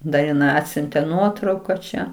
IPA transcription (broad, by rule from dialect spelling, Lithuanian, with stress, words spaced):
dɐ ɪˈnɐɪ ˈɑːtʲsʲʊnʲtʲeː ˈnuɔtrɐʊkɐ t͡ʃʲɛ